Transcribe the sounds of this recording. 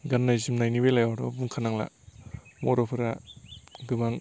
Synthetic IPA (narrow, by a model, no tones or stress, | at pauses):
ɡanːajzimnajnibelajawɾɔ̰bunkʰanaŋla̰ | mɔɾɔpʰɯɾa | ɡɯbaŋ